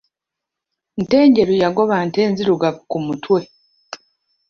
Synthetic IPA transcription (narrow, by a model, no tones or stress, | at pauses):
nte̞ːɲɟe̞ɾujaɡo̞βanteːnziɾuɡakumutʰwe̞